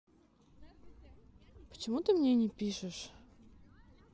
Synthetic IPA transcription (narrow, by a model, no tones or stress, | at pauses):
pə̥t͡ɕɪmut̪ɨmnʲenʲɪpʲiʂɨʂ